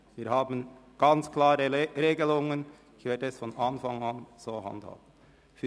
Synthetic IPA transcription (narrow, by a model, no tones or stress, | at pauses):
viːɾhaːbən̩ɡ̥ɑnt͡sklaːɾəɾeːɡəlʊŋən | ɪçvɛːɐdəɛsfɔnɑnfaŋanz̥oːha̰ndha̰ːb̥ən̩ | fy